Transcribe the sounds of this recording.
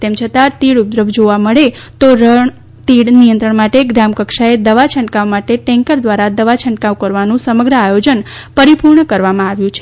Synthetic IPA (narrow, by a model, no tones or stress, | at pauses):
t̪emt͡ʃʰət̪at̪iɽud̪ɾəbd͡ʒoʋaməɭet̪oɾəɳ | t̪iɽnijənt̪ɾəɳmaʈeɡɾamkəkʃaed̪əʋat͡ʃʰə̃ɳɖkaʋmaʈeʈɛ̃ŋkəɾd̪ʋaɾad̪əʋat͡ʃʰəɳɖkawkəɾʋanũsəməɡɾəajod͡ʒənpəɾipuɾɳəkəɾʋamãaʋjũt͡ʃʰe